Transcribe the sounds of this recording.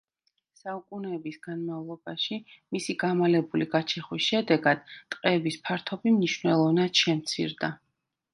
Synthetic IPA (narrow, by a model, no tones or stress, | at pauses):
saukʼunɛːbisɡanmavlˠɔbaʃimisiɡamalɛbuliɡat͡ʃʰɛχwisʃɛd̪ɛɡad̪̥t̪ʼqʼɛːbispʰaɾt̪ʰɔbimniʃwnɛlˠɔvnad̪̥ʃɛmt̪sʰḭɾd̪a